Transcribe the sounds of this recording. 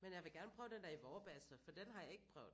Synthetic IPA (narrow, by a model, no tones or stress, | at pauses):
menjɑ̈ɪʋe̝ɡ̥æɐnəpʰʁœːʊd̥end̥æɐiʋɒːb̥ɛsəfɒ̽d̥enɦɑ̈jɑ̈ɪe̝ɡ̥əpʰʁœ̰ːʊð̥̩ˠ